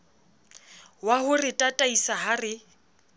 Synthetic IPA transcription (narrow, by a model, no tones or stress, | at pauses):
waɦʊrɪtʼatʼaisaɦarɪ